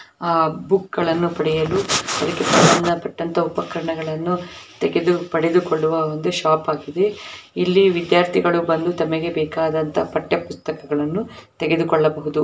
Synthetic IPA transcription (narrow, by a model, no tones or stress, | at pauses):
bukɡɐɭɐnːupɐɽɛjɐluɐd̪ɐkːet̪ɐmɐnːɐpɐʈːɐnt̪ɐupɐkɐɾɐɳɐɡɐɭɐnːut̪ɛɡed̪upɐɽed̪ukoɭːuʋɐond̪uʃaːpaːɡid̪e̞ilːiʋid̪jaːɾt̪ʰiɡɐɭubɐnd̪ut̪ɐmɐɡe̞bɛːkaːd̪ɐnt̪ɐpɐʈːjɐpust̪ɐkɐɡɐɭɐnːut̪ɛɡe̞d̪ukɔɭːɐbɐɦud̪u